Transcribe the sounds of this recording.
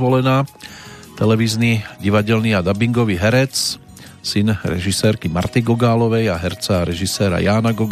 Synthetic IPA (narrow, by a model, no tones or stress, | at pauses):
ʋɔlɛnaː | t̪ɛlɛʋiːzniːɟiʋaɟɛlniːad̪abiŋɡɔʋiːɦɛɾɛt͡s | sinɾɛ̰ʒisɛːɾkimaɾt̪iɡɔɡaːlɔʋɛjaɦɛɾt͡saɾɛʒisɛːɾa̰jaːnaɡɔɡ